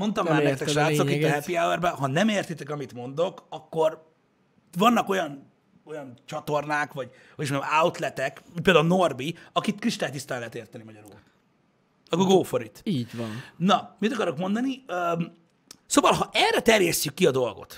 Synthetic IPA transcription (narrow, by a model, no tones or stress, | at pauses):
mo̞nt̪ɒmːaːɾmeɾt̪ɛkʃaːt̪ssokit̪ːɒɦɛpiawɛrbɛɦɒnɛmeːrt̪it̪ɛkɒmit̪mo̞nd̪o̞kɒkːo̞r | vɒnːɒko̞jɒn | o̞jɒnt͡ʃɒt̪o̞rnaːkʋɒɟ | hojiʃnmaut̪lɛt̪ɛkminpeːld̪auno̞rbiɒkit̪kriʃt̪aːjt̪ist̪aːnlɛːt̪eːrt̪ɛnimɒɟɒɾṵːl | ɒkːoɡoːfoɾit̪iːɟvɒnnɒmit̪ɒkɒɾo̞kmo̞nd̪ɒniøːm | soːvɒlɦɒʔɛrːɛt̪ɛrjɛstykːiɒd̪o̞lɡo̞̰t̪